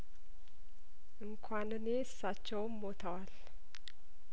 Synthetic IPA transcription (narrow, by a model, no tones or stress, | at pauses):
ʔɨŋkʷʰanɨneɨsːat͡ʃːɛwmːot̪ʰəwal